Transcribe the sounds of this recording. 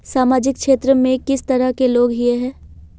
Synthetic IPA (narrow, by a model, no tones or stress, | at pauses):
saːmaːd͡ʒɪkkʃeːt̪ɾəmẽkɪst̪ɐɾəɦkeloːɡɦieɦɛ̃ː